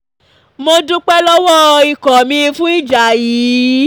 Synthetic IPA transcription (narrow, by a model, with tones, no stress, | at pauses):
mo˧dũ˦k͡pɛ˦lɔ˦wɔ˦i˨kɔ˨mĩ˧fũ˦i˦d͡ʒa˨jiː˨˦